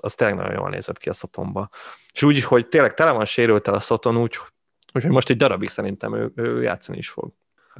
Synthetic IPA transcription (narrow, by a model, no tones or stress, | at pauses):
ɒst̪eːlɛɡnɒ̰ɟo̰jo̰ːlnḛːzɛt̪kiɒso̞t̪ʰo̞̰mbɒ | eʃuːɟiʃho̞ɟt̪eːnlɛɡ̚t̪ɛlɛvɒnʃeːɾylt̪ɛlɒso̞t̪o̞nuːc | uːcho̞ɟmo̞ʃt̪ɛɟd̪ɒɾɒbiksɛɾint̪ɛ̰mø̰ːøːja̰ːt̪sːɒnḭiʃfo̰ɡ